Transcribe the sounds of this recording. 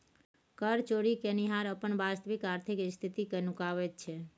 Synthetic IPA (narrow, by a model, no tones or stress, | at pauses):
kəɾt͡ʃoɽikeniɦaɾəpəɳʋast̪əʋikaɾt̪ʰikst̪ʰit̪ikenukaʋett͡ʃʰe